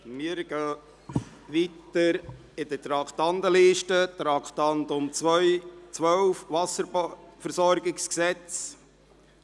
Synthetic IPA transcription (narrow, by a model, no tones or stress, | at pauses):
mɪɾɡ̥œː | ʋit̪əɾ | ɪd̥̪ət̪ɾɑkt̪ɑnd̪əliːʃtət̪ɾɑkt̪ɑnd̪ʊmt͡sʋœjt͡sʋœwfʋɑsəɾbfəɾsɔɾɡɪksksɛt͡s